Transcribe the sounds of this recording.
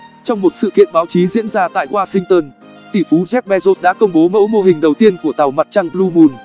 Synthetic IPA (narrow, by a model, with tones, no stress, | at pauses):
t͡ɕɔ˧wŋ͡mmo˨˩t̚sɨ̰˧˨kḭ˧˨ənɓaː˨˦wt͡ɕi˨˦zḭ˧˥ənzaː˧t̪a̰ː˧˨jhwaː˧sï˧ŋt̪əː˧n | t̪i˧˩fu˨˦zɛ˦˥k̚ɓɛ˧zo˦˥t̚ɗa̰ː˧˥kə˧wŋ͡mɓo˨˦mə̰˧˥wmo˧ɦï˨˩ŋ̟ɗə˨˩wt̪i˧ənku˧˩ət̪a˨˩wma˨˩t̚t͡ɕa˧ŋlu˧mu˧˩n